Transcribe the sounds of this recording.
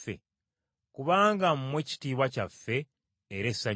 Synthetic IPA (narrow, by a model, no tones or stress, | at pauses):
ḛ | kuβaːŋɡam̩mwe̞ci̥tiːβwacafːe̞ː | ɾesa